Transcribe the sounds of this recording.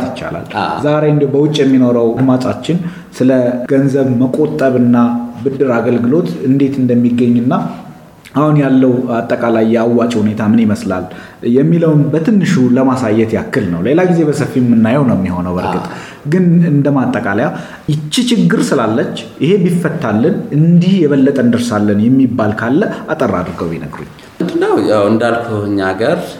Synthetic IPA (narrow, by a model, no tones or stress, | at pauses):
t̪jɪt͡ʃːa̰la̰lzaɾe̞ɨnd̪ebəwʊt͡ʃʼːjɛmːino̞ɾəwd̪mat͡ʃʼat͡ʃːɪn | sɨləɡ̥ənzəβməkʼo̞t̪ʼːəβɨnːabɨd̪ːɨɾaɡəlɡɨlo̞t̪ɨnd̪e̞t̪ʰɨnd̪əmːiɡːəɲːɨnːa | ahunjalːəwat̪ʼːəkʼalajːɛawːat͡ʃʼhune̞t̪ʰamɨniɪməsla̰l | jɛmːiləwnbət̪ʰɨnːɨʃuləmasajːɛt̪jakːɨlnəwle̞laɡize̞bəsəfːimːɨnːajəwnəwmjɛho̞nəwbəɾɡɨt̪ʼ | ɡɨnɨnd̪əmat̪ʼːəkʼalja | jɪt͡ʃːit͡ʃɪɡːɨɾsɨlalːət͡ʃːʔɪhe̞bifːət̪ʰːalːənɨnd̪ihjɛβəlːət̪ʼənd̪ɨɾsalːənjɛmːibːalkʰalːəat̪ʼərːad̪ɾɡəwinə̰ɡɾṵɲː | ɨnd̪ɨnəwjawɨnd̪alkʰuɨɲːaɡəɾ